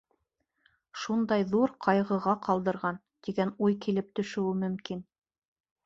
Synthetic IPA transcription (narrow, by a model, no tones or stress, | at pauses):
ʃund̪ɑjðuɾqʰɑjʁɤ̆ʁɑqʰɑlˠd̪ɤ̆ɾʁɑn | t̪iɡænujkilɘp̚t̪ɵ̆ʃɘ̆wɘmɵ̆mkin